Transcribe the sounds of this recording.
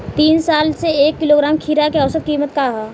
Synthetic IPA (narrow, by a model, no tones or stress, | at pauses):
t̪iːnsaːlseeːkːɪloːɡɾaːmkʰiːɾakeɔʊsəd̪̚kiːmət̪kaɦaː